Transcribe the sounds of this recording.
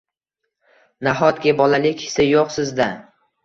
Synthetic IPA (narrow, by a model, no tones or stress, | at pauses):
naɦɒt̪ɡʲabɒlalɪkʲɪ̥sajoqsɪzd̪a